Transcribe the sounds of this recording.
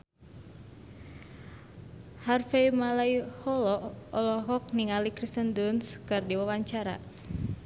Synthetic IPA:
harfeimalaihɔlɔɔlɔɦɔk̚niŋalikɾist̪əndunskɨrdiwawaɲt͡ʃaɾa̰

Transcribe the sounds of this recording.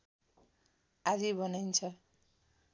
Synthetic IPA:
ad͡zibʌnajnt͡sʰʌ

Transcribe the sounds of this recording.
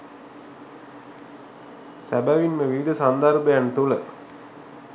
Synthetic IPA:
sæbæʋinməʋiʋid̪əsand̪arbəjant̪ulə̰

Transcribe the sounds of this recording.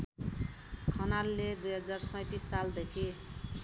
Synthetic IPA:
kʰʌnalːed̪ujɦʌd͡zarsʌjt̪isːald̪ekʰi

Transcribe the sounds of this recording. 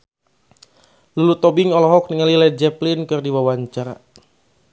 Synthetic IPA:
lulut̪ɔbɪŋɔlɔɦɔk̚nəŋalilad͡ʒɛplinkɨrdiwawaɲt͡ʃaɾa̰

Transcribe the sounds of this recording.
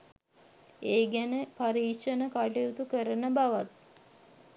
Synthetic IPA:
eːɡænəpaɾiːkʂənəkaʈejut̪ukəɾənəbaʋat̪̚

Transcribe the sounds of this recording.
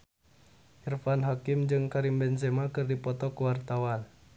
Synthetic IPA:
ʔirfanɦakimd͡ʒɨŋkaɾimbɛns̬ɛmakɨrdipɔt̪ɔkuwart̪awan

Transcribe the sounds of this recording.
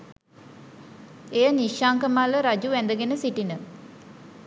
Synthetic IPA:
ejəniʃaːŋkəmaləɾad͡ʒuʋænd̪əɡenəsiʈinə

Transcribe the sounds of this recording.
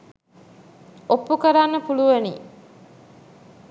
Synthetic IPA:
opːukəɾanːəpuluʋenḭ

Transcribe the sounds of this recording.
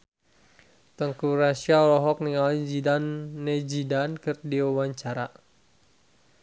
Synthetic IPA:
t̪əŋkuɾasialɔɦɔk̚niŋalid͡ʒidanːed͡ʒidankɨrdiuwaɲt͡ʃaɾa

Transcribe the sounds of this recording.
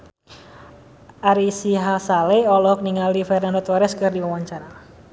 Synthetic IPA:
ʔaɾisiɦasaleɔlɔhk̚niŋalifɛrnandot̪ɔɾɛskɨrdiwawaɲt͡ʃaɾa

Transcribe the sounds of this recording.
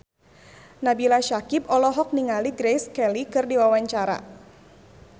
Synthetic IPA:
nabilaʃakip̚ɔlɔɦɔk̚niŋaliɡɾejskɛlikɨrdiwawaɲt͡ʃaɾa̰

